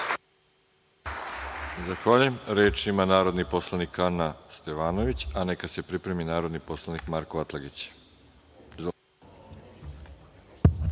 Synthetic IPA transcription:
zaxʋaʎujemɾeːt͡ʃimanaːɾo̞d̪nipo̞slˠanikanast̪eʋaːnoʋit͡ɕanekase̞pɾipɾe̞minaːɾo̞d̪nipo̞slˠanikmaɾkoʋat̪laɡit͡ɕ

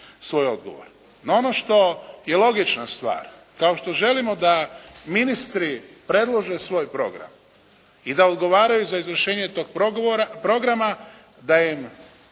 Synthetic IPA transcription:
sʋo̞ːjo̞d̪ɡo̞̰ʋo̞̰ɾ | nao̞no̞ʃt̪o̞je̞lo̞ɡit͡ʃnast̪ʋa̰ːɾ | kaoʃt̪o̞ʒe̞limo̞d̪aminist̪ɾipɾe̞d̪lˠo̞ʒesʋo̞ːjpɾo̞ɡɾa̰m | id̪aod̪ɡo̞ʋaːɾajuzaizʋr̩ʃe̞ːɲet̪o̞ːɡ̚ɾpɾo̞ɡɾama | d̪ajim

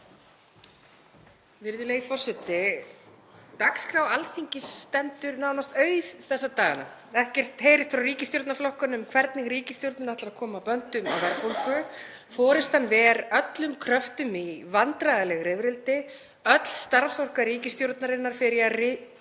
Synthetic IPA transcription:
vɪɾðʏleɣifɔr̥sɛt̪ɪ | t̪akskɾawalθiɲcɪst̪ɛnt̪ʏɾnawnast̪œːɥðθɛsːat̪aːɣana̰ɛhcɛr̥t̪heːjɾɪst̪fɾawriːcɪst̪jowɾt̪naflɔhkanʏmkʰvɛɾt̪̚nɪɣɾiːcɪst̪jowɾt̪nʏnɾaht̪laɾaðkʰɔːmapœnt̪ʏma̰wvɛɾpɔl̥kʏ | fɔːɾɪst̪hanːvɛːɾœt̪lʏmkʰɾœft̪ʏmivant̪ɾajðalɛɣɾɪvɾɪlt̪ɪ | œt̪l̥st̪aɾfsɔr̥kaɾiːcɪst̪jowɾt̪naɾɪnːaɾ̥fɪɾɪarɪ

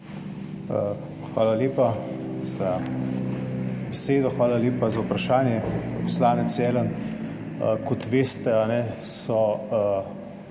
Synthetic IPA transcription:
ə | xʋaːlaljeːpaza | bɛseːd̪ɔxʋaːlaleːpazaupɾaʃaːnjɛpɔslaːnɛt̪sɛːlən | kɔt̪ʋeːst̪ɛanɛsɔ

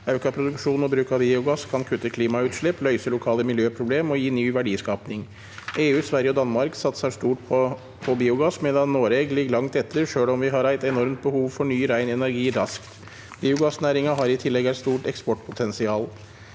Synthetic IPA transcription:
ɑʉkɑpʰɾʊd̪ʉkʂuːnɔbɾʉːkɑbiːʊɡɑskʰɑnkʰʉt̪ːəkʰliːmɑʉːt̪ʂɭɛplœʏsəlʊkʰɑːləmɪljøːpʰɾʊbleːmɔjiːnyːʋæɖiːskɑːpnɪŋ | eːʉːsʋæɾjəɔd̪ɑnmɑɾksɑt̪səʂt̪uːʈpʰɔ | pʰɔbiːʊɡɑsmeːd̪ɑnːoːɾɛɡlɪɡlɑŋt̪ɛt̪ʰːəɾʂøːlɔmʋɪɦɑɾæɪt̪ɛnɔɾmt̪̚bəhuːʋfɔɳyːɾæɪnɛnæɾɡiːɾɑskt̪ | biːʊɡɑsnæːɾɪŋɑɦɑɾɪt̪ʰɪlːɛɡæɪt̪st̪uːʈɛkspɔʈpʰʊt̪ʰɛnsɪɑːl

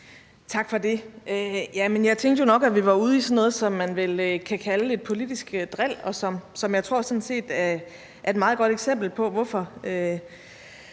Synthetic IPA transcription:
t͡sʰɑ̈ɡ̥fɒ̽de̝ʔøjæmenjɑ̈ɪt͡sʰeŋɡd̥əjo̝nɒ̽ɡ̥æʋiʋɑ̈uːð̞̩ˠisɒnɔːð̞̩ˠsɒ̽mːænʋe̝løkʰækʰæləe̝d̥̚pʰo̝lid̥isɡ̥d̥ʁel̰ɒ̽sɒ̽msɒ̽mjɑɪt͡sʰʁo̝ɐ̰sɒ̽n̩se̝̰ːd̥æɐ | ʔæɐe̝d̥mɑ̈ːð̩ˠɡ̥ɒ̽ɾ̥eɡ̥sem̰b̥l̩pʰɒ̽ʋɒfɒ̽ø

